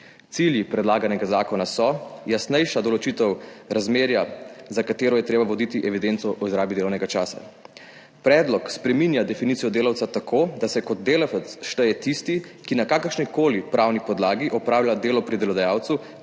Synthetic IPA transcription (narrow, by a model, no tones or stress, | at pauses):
t̪siljipɾɛd̪laːɡanɛɡazaːkɔnasɔjasnɛjʃad̪ɔlɔt͡ʃit̪ɛwɾazmeːɾjazakat̪eːɾɔjɛt̪ɾeːbaʋɔd̪it̪iʔɛʋid̪ent̪sɔʔɔizɾaːbid̪eːlɔwnɛɡat͡ʃaːsa̰ | pɾɛːd̪lɔkspɾɛminjad̪ɛfinit̪ijɔd̪eːlawt̪sat̪akʰoːd̪asɛkɔd̪̚d̪eːlafət̪sʃt̪əjɛt̪ist̪ikinakaːkəɾʃnikoːlipɾawnipɔd̪laːɡiʔɔpɾaːwljad̪eːlɔpɾid̪ɛlɔd̪ajaːwt̪su